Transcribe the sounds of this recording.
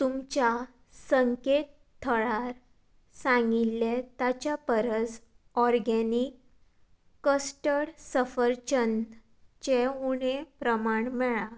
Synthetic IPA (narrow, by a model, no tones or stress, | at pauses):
t̪umt͡ɕa | səŋket̪ | t̪ʰːəɭaɾ | sãŋɡilːet̪at͡ɕjapəɾəd͡z | ɔɾɡenikː | əsʈəɽsəfəɾt͡ɕən | t͡ɕeuɽ̃epɾəmaɳmɛɭa